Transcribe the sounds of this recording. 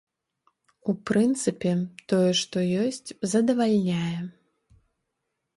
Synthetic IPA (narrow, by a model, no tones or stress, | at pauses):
upɾɨnt̪sɨpʲɛt̪ɔjɛʂt̪ɔjɔsʲt͡sʲzɐd̪ɐvalʲnʲajɛ